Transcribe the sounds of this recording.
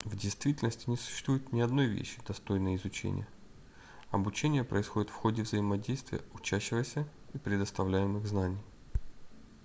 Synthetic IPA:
vdʲɪjst̪vʲitʲɪlʲnəsʲtʲɪnʲɪsʊ̥ɕːst̪vujɪt̪nʲɪɐd̪no̞jvʲḛɕːɪ̥d̪ɐst̪o̞jnəjəɪzʊt͡ɕḛnʲɪ̰jə | ɐbʊt͡ɕenʲɪjəpɾəɪsxodʲɪt̪fxo̞dʲɪvzəɪmɐdʲejst̪vʲɪ̰jə̰ʊt͡ɕæɕːɪvəsʲə | ipɾʲɪd̪əst̪ɐvlʲæjɪmɨɣznanʲɪj

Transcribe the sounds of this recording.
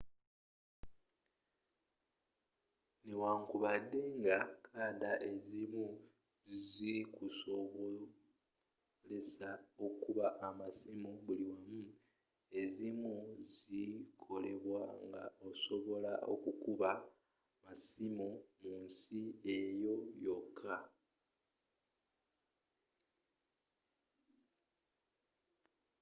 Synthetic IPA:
newaːŋkuβadːe̞ŋɡakʰaːdaʔe̞zimu | zikusoβo | le̞sao̞kuβaʔːmasimuβuliwamu | e̞zimuzikʰo̞le̞βwaŋɡa̰o̞so̞βo̞laʔo̞̰kukuβa | masimomuːnsie̞jo̞jo̞kʰːa

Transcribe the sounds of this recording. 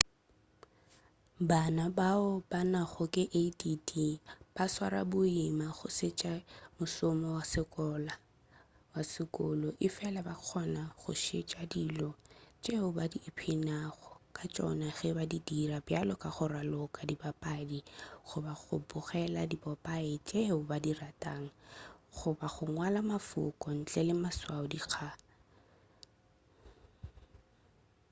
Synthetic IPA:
banabaʊbanaχʊkʼɪʔedidib̥aswa̰ɾa̰bʊimaχʊ̰sɪt͡ʃʼamʊsɔmɔwasɪkʼɔla | wasɪkʼʊlɔʔɪfɛlabaq͡χʰɔnaχʊ̰ʃet͡ʃʼadiːlɔt͡ʃʼeʊbadiːpʰɪnaɣɔkʼat͡ʃʼɔ̰naχɪbadidirabjalɔkʼaχʊralɔkʼadibapʼadiχʊbaɣʊ̰bʊχɛladibɔpʼaɪt͡ʃʼeʊbadiratʼaːŋ̩χʊbaχʊŋwalamafʊ̰kʼɔn̩t͡ɬʼɛlɪmaswaʊdik͡xʰa

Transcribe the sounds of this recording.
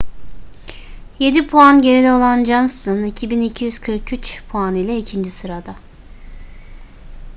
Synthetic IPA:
je̞d̪ipʰuanɟe̞ɾid̪ɛo̞lˠand͡ʒansɯnicʰibinicʰijyz̥kʰɯɾkʰyt͡ʃpʰuanijlʲɛicʰind͡ʒisɯɾad̪a

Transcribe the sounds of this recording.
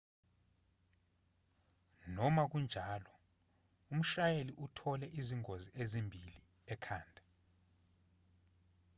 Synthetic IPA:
nɔmak̬und͡ʒʱaːlɔ | um̩ʃajeliʔutʰɔlɛʔiziŋoziʔezimbʱili | ɛkʰaːndʱa

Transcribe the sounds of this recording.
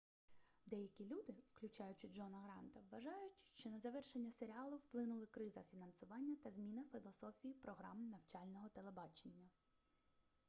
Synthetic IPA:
d̪ɛjɐkʲilʲud̪ɪwklʲʊt͡ʃɑjʊt͡ʃɪd͡ʒɔnɐɣɾɑnt̪ɐʋːɐʒɑjʊtʲʃt͡ʃɔnɐzɐʋɛrʃenʲːɐseɾʲiɑlˠʊwplˠɪnʊlˠɪkɾɪzɐfʲinɐnsʊʋɑnʲːɐt̪ɐzmʲinɐfʲilˠɔsɔfʲijipɾɔɦɾɑmnɐwt͡ʃɑlʲnɔɦɔt̪elˠebɑt͡ʃenʲːɐ

